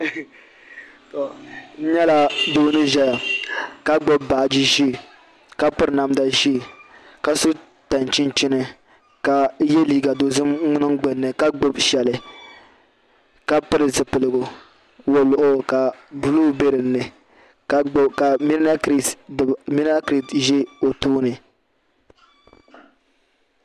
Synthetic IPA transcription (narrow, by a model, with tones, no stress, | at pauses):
to˨n̩˦ɲɛ˦la˦doː˦nɨ˦ʒɛ˦ja˨ka˦ɡ͡bo˦bːa˨d͡ʒi˦ʒi˦˨ | ka˦pɨ˦ɾna˨mda˨ʒi˦˨ | ka˨so˦ | ta˨nt͡ʃi˦n˦t͡ʃi˦nɨ˦ | ka˨je˦liː˦ɡa˨do˨zɨ˦mʊ˦nɨ˦ŋɡ͡bɨ˨nːɨ˨ka˦ɡ͡bo˦bʃɛ˨lɨ˨ | ka˦pɨ˦ɾɨ˨zɨ˨pɨ˨lɨ˨ɡʊ˨ | wo˨lʊ˨ʔʊ˦ka˨bu˦lu˦be˦ɾɨ˨nːɨ˨ | kka˨mi˦a˦kɾi˨mi˦n˦a˦kɾi˦tʒɛ˦o˨toː˦nɨ˨